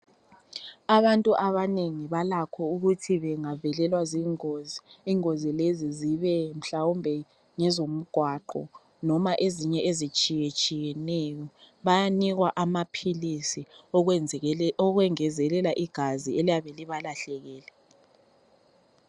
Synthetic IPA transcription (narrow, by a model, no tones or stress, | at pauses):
aβantʼuʔaβaneŋiβalakʰɔuɣutʰiβɛŋavɛlɛlwaziːŋoziiŋozileziziβɛm̩ɬawumbʱɛ | ŋɛzom̩ɡ̥ʱwaǃɔ̰ | nɔmaʔeziɲɛʔezit͡ʃʼijɛt͡ʃʼijɛnɛjɔ | βajaniɣwaʔamapʰilisi | ɔɣwɛŋɛzɛlɛlaʔiɡ̥ʱazielijaβɛliβalaɬɛɣɛːlɛ